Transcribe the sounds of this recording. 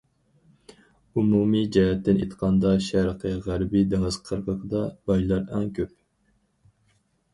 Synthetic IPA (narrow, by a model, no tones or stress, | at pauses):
umumid͡ʒɛɦɛt̪ːɪnḛt̪qʰɑnd̪ɑʃæɾqʰəʁæɾbid̪eŋɨz̥qʰəɾqʰəqʰəd̪ɑbɑjlˠɑɾæŋkʲʰøp̚